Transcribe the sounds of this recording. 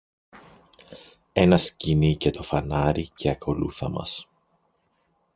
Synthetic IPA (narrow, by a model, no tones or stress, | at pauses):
e̞nɐscinice̞t̪o̞fɐnɐɾicʰe̞ɐko̞lṵθɐmɐ̰s